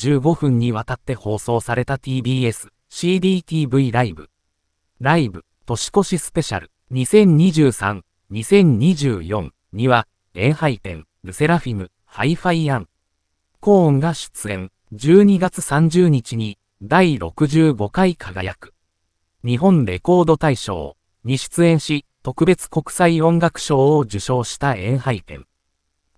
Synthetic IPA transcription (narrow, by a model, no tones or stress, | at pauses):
d͡ʑ̥ɨːɡo̞ɸɯ̟̃ɲ̟ːiβ̞at̪at̪ːe̞ho̞ːso̞ːsaɾe̞t̪at̪ʲiːbʲiːe̞sɨ̥ | ɕiːd̪iːt̪ʲiːbɯ̟iɾaibɯ̟̰ | ɾaibɯ̟ | t̪o̞ɕi̥ko̞ɕisɨ̥pe̞ɕa̰ɾɯ̟̥ | ɲ̟isẽ̞ɲ̟ɲiʑɨːsã̰n | ɲisẽ̞ɲ̟ɲiʑɨːjõ̞ŋ | ɲiβa | e̞ːhait̪ẽ̞̰ŋ | bɯ̟se̞ɾaɸʲimɯ̟ | haiɸaiãŋ | kõ̞ːŋɡaɕɨ̥t͡sɨẽ̞n | d͡ʑɨːɲ̟iɡat͡sɨ̥sãɲ̟d͡ʑɨːɲ̟it͡ɕiɲ̟i | d̪aiɾo̞̰kɯ̟ʑɨːɡo̞kaikʰaɡa̰ja̰kɯ̥ | ɲ̟iɦõ̞nɾe̞̰ko̞ːd̪o̞t̪aiɕo̞̰ː | ɲ̟iɕi̥t͡sɨẽ̞ɰ̃ɕi | t̪o̞kɯ̟be̞t͡sɨ̥ko̞kɯ̟̥saiõ̞ŋɡakɯ̟̥ɕo̞ːod͡ʑɨɕo̞ːɕi̥t̪aẽ̞ɰ̃haikẽ̞̰ŋ